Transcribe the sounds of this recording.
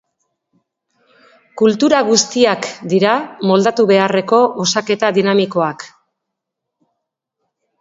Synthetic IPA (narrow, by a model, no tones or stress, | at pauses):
kult̪uɾaɣust̪iakd̪iɾamo̞ld̪at̪uβe̞are̞ko̞ʔosake̞t̪aðinamiko̞ak